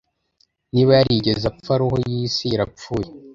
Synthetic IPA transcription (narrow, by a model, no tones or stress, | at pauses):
niβaɾiɟezafaɾohojiːsiiɾap͡fuːje